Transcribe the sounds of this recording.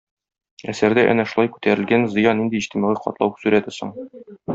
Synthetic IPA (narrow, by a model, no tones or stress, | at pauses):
æsæɾd̪æʔæ̰næʃulˠɑjkʉ̥t̪æɾɘ̆lɡænzɤ̆jɑnːind̪iːɕt̪imɑʁɤqɒ̰t̪lˠɑ̰wsʉɾæt̪ɘsoɴ